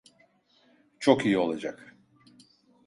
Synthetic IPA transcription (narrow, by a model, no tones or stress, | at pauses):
t͡ʃʰo̞kijio̞lˠad͡ʒak